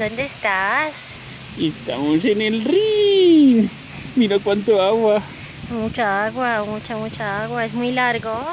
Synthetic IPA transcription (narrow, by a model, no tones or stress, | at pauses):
d̪ond̪est̪as | est̪a̰mos̬enelrin | miɾokwant̪oaɣwa | mut͡ʃaaɣwamut͡ʃamut͡ʃaaɣwaesmujlaɾɣo